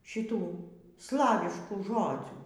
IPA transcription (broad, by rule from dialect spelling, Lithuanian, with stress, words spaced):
ʃʲɪˈtuː ˈslˠɑːʋʲɪʃkuː ˈʒoːd͡zʲuː